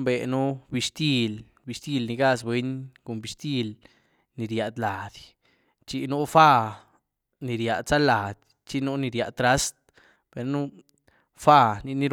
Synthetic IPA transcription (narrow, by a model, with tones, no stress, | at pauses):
be˨nu˦bi˧ʃt̪i˦l | bi˧ʃt̪i˦lni˧ɡa˦˧sbwe˦ɲko˨mbi˧st̪i˦l | ni˨ɾja˨d̪la˨d̪ | t͡ʃi˧nu˦fa˦˧ | ni˨ɾja˨d̪sa˦la˨d̪̥ | t͡ʃi˦nu˦ni˧ɾja˨t̪ɾa˦st̪̚ | b̥e˨ɾnu˦ | fa˦˧ni˧ni˦ɾ